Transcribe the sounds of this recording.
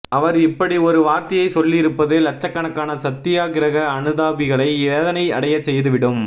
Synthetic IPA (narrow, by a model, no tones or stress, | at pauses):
ʔɐʋɐɾɪpːɐɽiɔɾɯʋaːɾt̪ɐɪjɐɪsɔlːɪɪɾɯpːɐðelɐt͡ʃːɐkːɐɳɐkːaːnɐsɐt̪ːɪjaːɣɪɾɐɣɐːnɯðaːbɪɣɐɭɐɪeːðɐnɐɪɐ̰ɽɐjɐt͡ʃːɛjðɯʋɪɽɯm